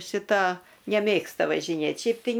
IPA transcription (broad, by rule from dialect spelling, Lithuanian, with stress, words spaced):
ʃʲɪˈtɐ nʲɛˈmʲeːkstɐ ʋɐʒʲɪˈnʲeːtʲ ˈʃʲɛɪp tɐɪ